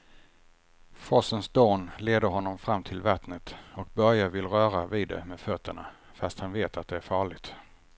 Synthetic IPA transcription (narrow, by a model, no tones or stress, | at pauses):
fɔsənsd̪oːnleːd̪əɾɦɔnːɔmfɾamːt̪ʰɪlvat̪nət̪ɔk̚bœɾjavɪlɾœːɾavɪːd̪ːɛ̰meːd̪fœt̪ʰːəɳa̰ | fast̪hanveːt̪at̪̚d̪ɛæɾfɑːɭɪɡ̚t̪